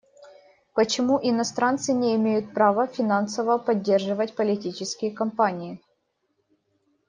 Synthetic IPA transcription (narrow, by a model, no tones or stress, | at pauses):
pət͡ɕɪmuʔɪnɐst̪ɾant̪sɨnʲɪɪmʲejʊt̪̚pɾavəfʲɪnansəvəpɐdʲːe̞rʐɨvətʲpəlʲɪtʲit͡ɕɪskʲɪjəkɐmpanʲɪɪ